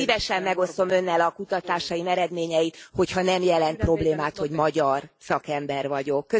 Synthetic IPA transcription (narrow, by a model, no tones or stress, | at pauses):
ivɛʃɛmːɛɡo̞st̪o̞mø̞nːɛlɒkut̪ɒt̪aːʃɒimɛɾɛd̪meːɲɛjit̪ho̞chɒnɛmjɛlɛnt̪̚pro̞bleːmaːt̪ho̞ɟmɒɟɒrsɒkɛmbɛrvɒɟo̞kːø